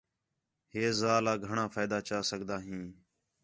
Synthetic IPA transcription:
ɦeːzaːlaːɡʱəɳãːpʰaːɪd̪aːt͡ʃaːsəɡʱd̪aːɦĩː

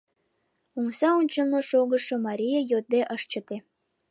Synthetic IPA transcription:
uŋsɑunʲt͡ɕəlnoʃoɣə̆ʃŏmɑɾʲijejot̪̚d̪eʔəʃt͡ɕə̆t̪e

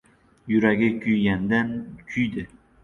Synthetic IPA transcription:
jyɾæɡʲɪkʲʰyjɡʲænd̪ænkʲʰyjd̪ɪ

